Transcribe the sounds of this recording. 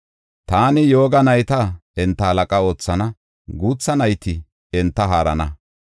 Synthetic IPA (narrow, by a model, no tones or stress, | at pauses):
t̪aːnɪjo̞ːɡɐnɐjt̪ɐɛnt̪ːɐhɐlɐkʼɐo̞ːt͡sːɐnɐ | ɡuːt͡sːɐnɐjt̪ɪ | ɛnt̪ːɐɦaːɾɐ̰nɐ